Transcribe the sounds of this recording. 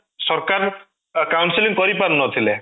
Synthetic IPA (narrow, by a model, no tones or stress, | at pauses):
sɔɾkaɾ | kawnsiliŋkɔɾipannɔt̪ʰile